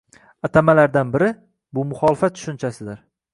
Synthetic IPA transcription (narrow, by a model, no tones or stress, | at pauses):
at̪ʰamalaɾd̪anbɪɾɪ | bʊmʊχɒlɪfat̪̚ːʰʊ̥ʃʊnt͡ʃʰasɪd̪ɪɾ